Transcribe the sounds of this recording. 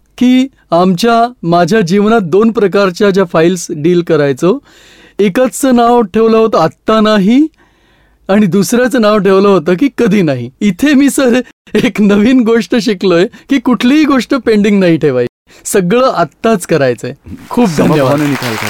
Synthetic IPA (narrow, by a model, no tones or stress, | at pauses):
kiː | amt͡ɕjamad͡ʑʱjad͡ʑiʋnat̪̚d̪onpɾəkaɾt͡ɕjad͡ʑjafailsɖiːlkəɾajt͡so | ekat͡st͡səːnaʋʈʰeʋləɦot̪əat̪ːanaɦi | aɽ̃id̪usɾjat͡səːnaʋʈʰeʋləɦot̪əːk̬iːkəd̪ʱiːnaɦiːt̪ʰemiːsəɾeknəʋiːnɡoʂʈəɕ̬iklojekiːkuʈʰliɦiɡoʂʈəpeɳɖiŋɡnaɦiʈʰeʋaj | səɡɭəːʔat̪ːat͡skəɾajt͡səekʰuːp̚d̪ʱənjəʋanenikʰalka̰